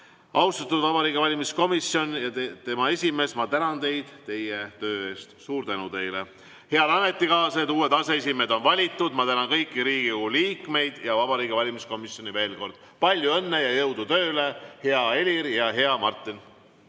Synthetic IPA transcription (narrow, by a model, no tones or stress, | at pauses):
ʔɑwst̪ɑt̪ːˑud̪vɑbɑɾiːɡevɑlʲimisko̞misjo̞njɑt̪e̞mɑe̞sʲime̞ːsmɑt̪ænɑnt̪e̞jd̪̥t̪e̞je̞t̪ø̞ːe̞ːst̪suːɾt̪ænut̪e̞jle | he̞ɑd̪ɑnːe̞t̪ːikɑːsed̪uːe̞d̪̥ɑse̞es̬ʲime̞d̪o̞nvɑlʲit̪ːˑud̪̥mɑt̪ænɑnkɤjkːˑiɾiːɡiuuliːkˑme̞jd̪̥jɑvɑb̥ɑɾiːɡ̥evɑlʲimisko̞misjo̞nʲive̞ːlko̞rd̪̥ | pɑlʲjue̞nːejɑjɤ̞wd̪ut̪ø̞ːle̞heɑe̞lʲiɾjɑɦe̞ɑmɑrt̪ːˑin